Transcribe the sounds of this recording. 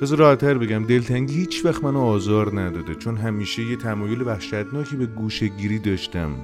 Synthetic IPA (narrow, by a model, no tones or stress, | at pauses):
bezɒɾɒːhæt̪ʰːæɾbe̞ɟæmd̪e̞lt̪ʰæŋɟihiːt͡ʃʰvæxt̪mænoɒːzɒːɾnæd̪ɒːd̪et͡ʃʰo̞nɦæmiːʃejet̪ʰæmɒːjo̞levæhʃæd̪nɒːcʰebe̞ɡuːʃeɟiːɾiːd̪ɒːʃt̪æm